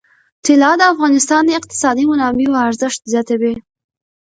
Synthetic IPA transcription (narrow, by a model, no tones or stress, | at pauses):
t̪ɪlɑd̪əafɣɑnɪst̪ɑnd̪əɪq̚t̪ɪ̥sɑd̪imʊnɑmiwaɾzəʃt̪zjɑt̪awi